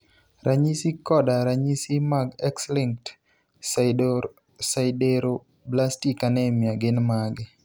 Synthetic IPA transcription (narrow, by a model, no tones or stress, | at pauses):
rʔaɲisikɔdaɾaɲisimaɡɛkslɪŋkt | saɪdɔ | saɪdeɾo | blastikanɛmjaɡɪnmaɡɪ